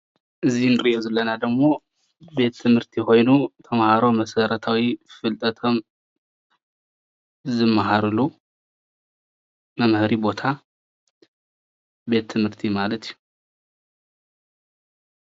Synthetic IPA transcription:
ʔɨzinɨɾɨʔozɨlːɐnad̪ɐɡmo̞ | be̞t̪ʰːɨmhɨɾt̪ʰixo̞jnut̪ʰɐmhaɾo̞mɐsɐɾɐt̪ʰawifɨlt̪ʼɐt̪ʰo̞m | zɨmːaɦaɾɨlu | mɐmhɾibo̞t̪ʰa | be̞t̪ʰːɨmhɨɾt̪ʰimalɐt̪ʰiju

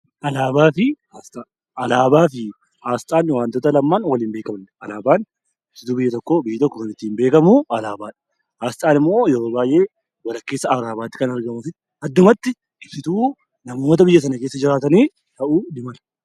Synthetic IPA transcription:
ʔɐlaːbaːfɪhaːst̪ʼa | ʔɐlaːbaːfɪ | haːst̪ʼaːnwaːnt̪ɔːt̪ɐlɐmːaːnwɐliːmbe̞ːkɐmɐnʔɐlaːbaːn | ɪb̥sɪt̪uːbɪjːɐt̪ɔkːoːbɪjːɐt̪ɔkːoɐnɪt̪ːiːmbe̞ːkɐmuɐlaːbaːᶑɐ̥ | haːst̪ʼaːnɪmːo̞ːjɛɾo̞ːbaːjʔe̞ː | wɐlɐkːe̞ːsːɐɐɾaːbaːt̪ːɪ̥kɐnɐɾɡɐmʊfɪt̪ː | ɐd̪ːʊmɐt̪ːɪ | ɪbsɪt̪uː | nɐmoːt̪ɐbɪjːɐs̬ɐnɐke̞ːsːɐd͡ʒɪɾaːt̪̬ɐniː | t̪ɐʔuːdɪmɐlɐ̥

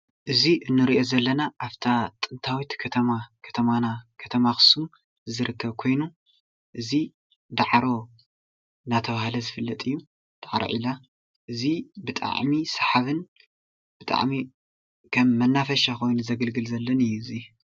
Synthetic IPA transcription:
ʔɨziʔɨnːɨɾiʔo̞zɐlːɐnaʔaft̪ʰat̪ʼɨnt̪ʰawit̪kʰɐt̪ʰɐmakʰɐ̥t̪ʰɐmanakʰɐ̥t̪ʰɐmaxɨ̥sun | zɨɾɨkʰːɐβkʰo̞jnu | ʔɨzi | d̪aʕɾo̞ | nat̪ʰɐβahlɐzɨfɨlːɐt̪ʼɨjːu | d̪̥aʕɾo̰ʕila | ʔɨzibɨt̪ʼa̰ʕmisaħaβɨn | b̥ɨt̪ʼa̰ʕmi | kʰɐmːɐnːafɐʃakʰo̞jnuzɐɡɨlɡɨlzɐlːɐnɨjːuɨzi

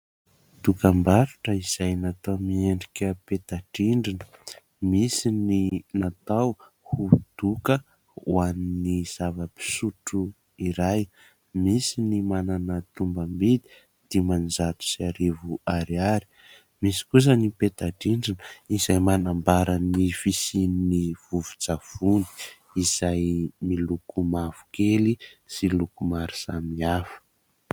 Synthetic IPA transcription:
d̪̥ukambaɾuʈ͡ʂəiz̥ajnat̪omieɳɖ͡ʐikʲəpet̪aɖ͡ʐiɳɖ͡ʐinə̥ | misininat̪aw | hud̪̥ukə | uaniniz̥avəpi̥suʈ͡ʂu | iɾaj | misinimananət̪umbəmbid̪i̥ | d̪̥imanzat̪u̥siaɾevuaɾiaɾi̥ | misi̥kus̬ənipet̪adind͡zunuizajmanambaɾanifisininiv̥uv̥u̥t͡sav̥uni̥ | iz̥ajmilukumav̥u̥kelisilukumaɾi̥samiafə̥

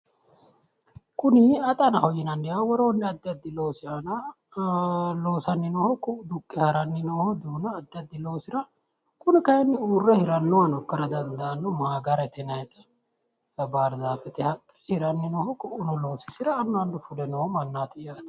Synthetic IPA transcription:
kʊnɪɐt̪ʼɐnɐhɔjɪnɐnːɪjawɔɾoːnːɪɐd̪ːɪɐd̪ːɪlo̞ːsɪanɐ | lo̞ːsɐnːɪnɔhɔkʊʔd̪ʊkʼːɪhɐɾɐnːɪnohɔd̪uːnɐːd̪ːɐd̪ːɪlo̞ːsɪɾɐ | kʊnɪkɐjɛnːɪuːrːɛhɪɾɐnːɔwɐnɔkːɐɾɐd̪ɐnd̪ɐʔɐnːɔmaːɡɐɾɛt̪ɛnɐjɛt̪ʼɐ | ɐbaːɾzaːfɛt̪ɛhɐkʼːɛ̥hɪɾɐnːɪnɔhɔkʊʔʊnɔlo̞ːsɪsɪɾɐːnːɔɐnd̪ʊfʊlɛnɔhɔmɐnːaːt̪ɛjaːt̪ɐ̥

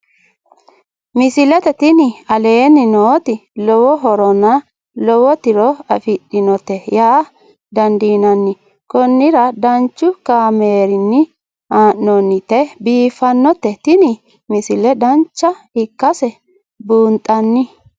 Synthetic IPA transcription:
mɪsɪlɛt̪ɛt̪ɪnɪɐle̞ːnːɪnoːt̪ɪlɔwɔɦɔɾɔnɐ | lɔwɔt̪ɪɾɔɐfɪɗɪnɔt̪ːɛjaː | d̪ɐnd̪iːnɐnːɪ | kɔnːɪɾɐd̪ɐnt͡ʃːʊkaːmeːɾɪnːɪ | aːʔːɔnːɪt̪ɛbiːfɐnːɔt̪ːɛt̪ɪnɪ | mɪsɪlɛd̪ɐnt͡ʃːɐhɪkːɐsɛ | buːnt̪ʼɐnːɪ

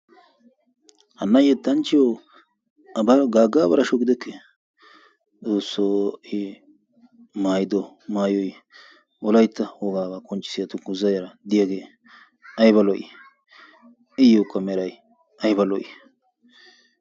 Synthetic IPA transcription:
hɐnːɐjɛt̪ːɐnt͡ʃːɪjo | ɐbɐɾɡaːɡːaːbɐɾɐʃɔɡɪd̪ɛkʰːɛ | t͡soːsːoɪ | maːjd̪ɔ | maːjɔj | ɔlɐjt̪ːɐhɔɡaːbɐkʼɔnt͡ʃʼːɪ̥sɪjɐt̪ʊɡʊzɐjɐɾɐd̪ɪjaɡeː | ɐjbɐlɔʔɪ̰ | ɪjokːɐmɛɾɐj | ɐjbɐlɔʔɪ

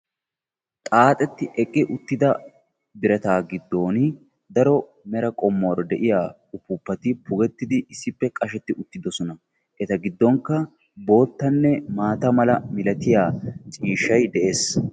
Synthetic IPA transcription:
t̪ʼaːt̪ʼɛt̪ːɪʔɛkʼːɪʔʊt̪ːɪd̪ɐ | bɪɾɐt̪aːɡɪd̪ːo̞ːn | d̪ɐɾɔ | mɛɾɐkʼɔmːowɾɔd̪ɛʔɪjaː | ʊpːʊpːɐt̪ɪpʰʊɡɛt̪ːɪd̪ɪːsːɪpːɛkʼɐʃɛt̪ːɪʔʊt̪ːɪd̪ɔsɔnɐ | ʔɛt̪ɐɡɪd̪ːɔŋkːɐ | bo̞ːt̪ːɐnːɛmaːt̪ɐmɐlɐmɪlɐt̪ɪjaːt͡ʃʼiːʃːɐjd̪ɛʔe̞ːs

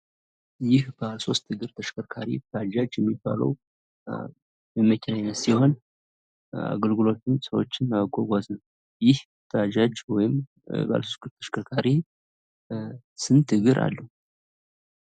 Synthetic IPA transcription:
jɪhb̥əaso̞st̪ʰːɨɡɨɾt̪ʰəʃkʰəɾkʰaɾibəad͡ʒad͡ʒjɛmːiba̰lə̰w | məməkʰɛnajnːət̪siho̞n | a̰ɡəlɡɨlo̞t̪ʰɨmsəwot͡ʃːɪnːaβəkʼoɡʷaznəw | jɪh | t̪əad͡ʒad͡ʒwɔjɪm | ba̰lsost̪ɡɨɾt̪ʰə̥ʃkʰəɾkʰaɾi | sɨnt̪ʰɨɡɨɾʔa̰lːə

